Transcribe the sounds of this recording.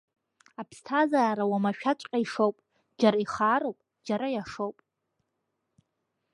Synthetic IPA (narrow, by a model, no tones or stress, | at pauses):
apʰstʰazaːɾawamaʃᶣat͡ʃʷʼqʲʼaiʂowpʼ | d͡ʒaɾaiχaːɾowpʼ | d͡ʒaɾajaʂowpʼ